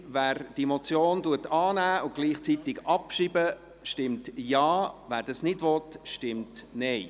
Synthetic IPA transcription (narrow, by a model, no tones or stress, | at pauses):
væːɾd̥imɔt͡sjoːnduətɑːnæːʊɡ̥liːχt͡sit̪ɪɡɑpʃiːbə | ʃtɪmtjɑːvæːɾdɑsnɪdvɔtʃtɪmtnɛɪ